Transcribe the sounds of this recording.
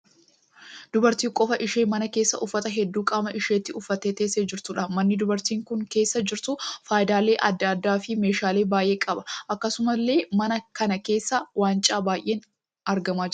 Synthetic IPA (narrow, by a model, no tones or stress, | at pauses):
d̪̥ʊbɐɾt̪iːkʼɔfɐʔɪʃe̞ːmɐnɐkeːsːɐ̰ʔʊfːɐt̪ɐɦɛd̪ːuːkʼaːmɐʔɪʃeːt̪ːɪʊfːɐt̪eːt̪eːsːeːd͡ʒɪɾt̪ʊᶑɐmɐnːɪd̪ʊbɐɾt̪iːŋkʊŋkeːsːɐd͡ʒɪɾt̪ʊfaːjɪd̪aːle̞ːʔɐd̪ːad̪ːaːfɪme̞ːʃaːle̞ːbaːjʔe̞ːkʼɐbɐ̥ʔɐkːɐsʊmɐlːe̞ːmɐnɐkɐnɐke̞ːsːɐwaːnt͡ʃʼaːbaːjʔe̞ːn | ɐɾɡɐmaːd͡ʒ